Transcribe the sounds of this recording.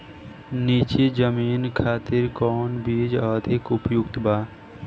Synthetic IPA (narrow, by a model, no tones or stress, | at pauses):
niːt͡ʃid͡ʒəmiːnkʰaːt̪ɪɾkɔːnbiːd͡ʒəd̪ʱɪkʊpjʊkt̪baː